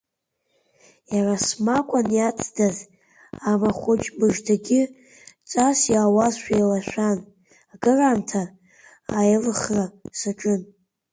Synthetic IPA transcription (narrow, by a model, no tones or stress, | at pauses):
jarasmakʷʼanjat͡sʰʼdaz | amaχʷʊt͡ʃʼmɨʐdʰaɡʲɪ | t͡sʼasjaːwazʃʷᶣajlaʃʷᶣan | aɡɨrantʰaː | jlχrasaʈ͡ʂʼɨn